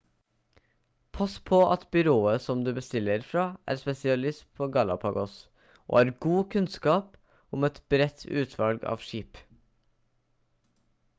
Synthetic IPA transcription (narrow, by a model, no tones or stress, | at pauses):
pʰɑspʰɔʔɑ̰t̪bʏɾoːəsɔmd̪ʉːbəst̪ɪlːəɾfɾɑːʔæ̰ːɾspɛsɪɑlɪspʰoːɡɑlɑ̰pʰɑɡɔs | ʔo̰ːhɑːɾɡuːkʰʉnskɑːp | ʊmɛt̪b̥ɾɛt̪ʰʉ̰ːt̪ʰʋɑlɡɑ̰ːʋʃiːp